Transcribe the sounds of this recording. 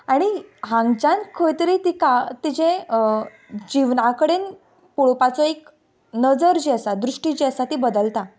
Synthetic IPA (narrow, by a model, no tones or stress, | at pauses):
aɽ̃iɦãŋɡt͡ɕãnkʰojt̪ɾit̪ikat̪id͡ʑẽ | d͡ʑiʋnakəɽeːn | puɭpat͡sɔek | nəd͡zəɾd͡ʑiəsad̪ɾuʂʈid͡ʑiəsat̪ibəd̪əlt̪a